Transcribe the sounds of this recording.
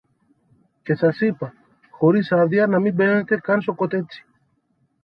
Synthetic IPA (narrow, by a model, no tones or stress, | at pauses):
cesasipa | xoɾisaðjanamibenent̪ekansokot̪et͡si̥